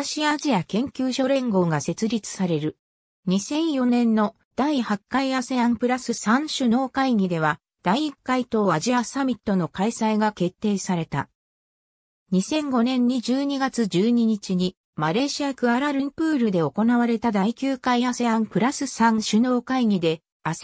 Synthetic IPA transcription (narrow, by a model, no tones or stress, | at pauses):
ɕiaʑiakẽ̞ŋkʲɨːɕo̞ɾẽ̞ŋɡo̞ːɡase̞t͡sɨɾʲit͡sɨ̥saɾe̞ɾɯ̟ | ɲ̟isẽ̞ɰ̃jo̞nẽ̞nːo̞ | d̪̥aihakːaiaseãmpɯ̟ɾasɨsãɰ̃ɕɨno̞ːkaiɡʲid̪e̞β̞a | d̪̥aiːkːait̪o̞ːaʑiasamʲit̪ːo̞no̞kaisaiɡake̞t̪ːe̞ːsaɾe̞t̪a̰ | ɲ̟isẽ̞ŋɡo̞nẽ̞ɲ̟ːid͡ʑɨːɲ̟iɡat͡sɨd͡ʑɨːɲ̟iɲ̟it͡ɕiɲ̟i | maɾe̞ɕiakɯ̟aɾaɾɯ̟mpɯ̟ːɾɯd̪e̞o̞ko̞naβaɾe̞t̪ad̪aikʲɨːkaiase̞ãmpɯ̟ɾasɨsãŋɕɨno̞ːkaiɲ̟ʲid̪e̞ | as